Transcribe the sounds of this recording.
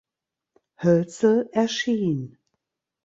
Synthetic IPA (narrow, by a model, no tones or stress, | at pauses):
hœlt͡sl̩ʔɛɐʃiːn